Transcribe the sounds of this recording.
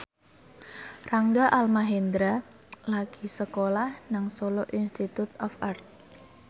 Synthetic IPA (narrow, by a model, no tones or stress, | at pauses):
raŋɡaʔalmaɦend̪ɾa | laɡ̥isəkolahnaŋsolɔʔinst̪it̪ut̪ɔfart̪̚